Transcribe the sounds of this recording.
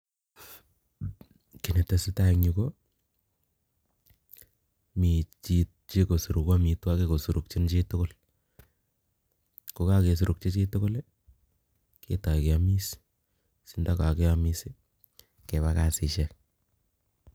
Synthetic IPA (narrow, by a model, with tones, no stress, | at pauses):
ki˨ne˨ta˨si˦ta˦kɲu˨ko˦ | mi˨t͡ʃitt͡ʃi˦ko˨su˨ɾu˨kwa˦mi˨twa˦ke˨ko˨su˨ɾu˨k̚t͡ʃi˦nt͡ʃi˦tʊ˦ko˦l | ko˦ka˦ke˨s̬u˨ɾʔuk̚t͡ʃe˦t͡ʃi˦tʊ˦ko˦l | kʰḛ˦ta˨ike˨a˦mi˦s | si˨nda˦ka˨ke˦a˦mi˦si˦ | ke˨ba˦ka˨sɪ˨ʃɛ˦k